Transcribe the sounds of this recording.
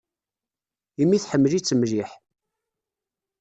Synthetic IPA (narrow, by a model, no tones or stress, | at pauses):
imːiθħəmːəlit͡sːəmliħ